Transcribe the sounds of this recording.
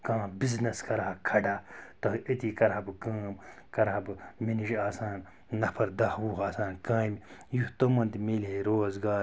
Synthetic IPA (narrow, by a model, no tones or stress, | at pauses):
kãːbiznɐskɐɾakʰɐɖaːt̪ɐɦit̪ikɐɾabɨkaːmkɐɾabɨminiʒaːsaːnː | ɐpʰɐɾd̪ɐhwuːɦaːsaːnkãːmjuht̪omɐnd̪imelɦeɾoːzɡaːɾ